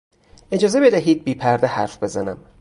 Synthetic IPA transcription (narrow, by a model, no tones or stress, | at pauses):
e̞d͡ʒɒːze̞be̞d̪æɦiːd̪̚biːpʰæɾd̪ehæɾfb̥e̞zænæ̰m